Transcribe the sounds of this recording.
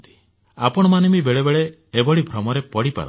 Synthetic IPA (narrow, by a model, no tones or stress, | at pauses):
t̪i̥ | apɔɽ̃ɔmanimibeɭebeɭeː | bɔɽibʱɾɔmɔɾepɔɽipa̰ɾ